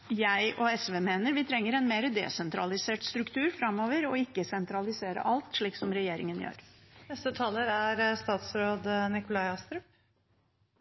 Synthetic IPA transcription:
jæɪʔɔɛsʋeːmeːnəɾʋɪt̪ʰɾɛŋːəɾɛnmeːɾəd̪ɛ̰ːsɛnt̪ɾɑlɪseːʈst̪ɾʉkt̪ʰʉːɾfɾɑmoːʋəɾɔɪkːəsɛnt̪ɾɑlɪseːɾə̰ʔɑlt̪ʂɭiːksɔmɾɛjeːɾɪ̰ŋənjø̰ːɾnɛst̪ət̪ʰɑːləɾæɾst̪ɑːt̪sɾoːd̪nɪkʊlɑɪɑst̪ɾʉp

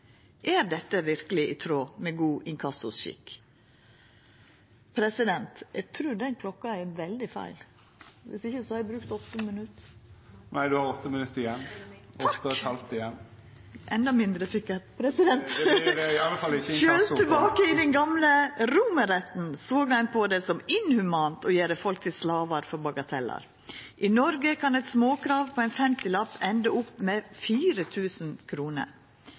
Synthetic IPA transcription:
ʔæɾd̪ɛt̪ːəʋɪɾkəlɪʔɪt̪ʰɾoːmɛɡuːʔɪŋkʰɑsʊsʃɪ̰kː | pʰɾɛsɪd̪ɛnt̪æɡt̪ʰɾʉːd̪ɛnkʰlɔkːɑɛɾʋɛld̪ɪfæ̰ɪl | ʋɪ̰sɪçːəsɔhɑɾbɾʉːk̚t̪ɔt̪ːəmənʉt̪ː | næɪd̪ʉhɑɾɔt̪ːəmənʉt̪ːɪjɛnːt̪ɔɑt̪ːəɛt̪hɑlt̪ɪjɛn | ʔɛnd̪ɑmɪnd̪ɾəsɪkəpʰɾɛsɪd̪ɛnt̪ɪɑlːəfɑlːɪʃøːlt̪ʰːɛbɑːkəɪd̪ɛnɡɑmləɾʊməɾɛt̪n̩soːɡɑnpʰɔd̪ɛsɔmɪnhʉmɑːnt̪ʰɔjeːɾəfɔlk̚t̪ʰɪlslɑːʋɑɾfɔɾbɑɡɑt̪ʰɛlːɑ̰ɾ | ʔɪnɔɾɡəkʰɑnɛt̪smoːkʰɾɑːʋpʰɔɛɪnfɛmt̪ɪlɑpːɛnd̪əʊpːmɛfiːɾət̪ʰʉːsənkʰɾuːnə̰ɾ

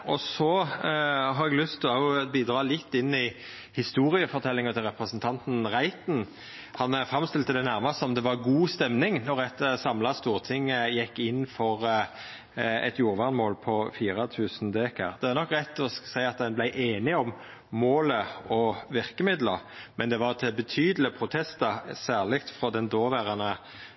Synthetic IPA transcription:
ɔsɔ | ɦɑɾɛɡlʏst̪ʰɪlɑbiːd̪ɾɑːlɪt̪ːɪnːɪ | hɪst̪uːɾɪəfɔɾt̪ʰɛlːɪŋɑt̪ʰɪlʁɛpɾəsnt̪ʰɑnt̪n̩ʁæɪt̪n̩ | hɑnæɾfɾɑmst̪ɪlt̪ʰːɪld̪ɛnæʁmɑst̪ɔmd̪ɛʋɑʁɡuːst̪ɛmnɪŋnɔʁɛt̪sɑmlɑst̪uːʁt̪ʰɪŋːəjɛkːɪnːfɔʁ | ɛ̰t̪juːɾʋɑʁnmoːlpʰɔfiːɾɑt̪ʰʉːsnd̪eːkə̰ʁd̪̥ɛæʁnɔkːʁɛt̪ːɔsæɪɑt̪̚d̪ɛnblæɪʔeːnɪɔm | moːləɔʋɪʁkəmɪd̪ləʁmɛnd̪ɛʋɑʁt̪ʰɪbət̪ʰyːd̪l̩əpʰɾʊt̪ʰɛst̪əsæːʁlɪkt̪fɾɔd̪ɛnd̪oːʋæːɾɑnə

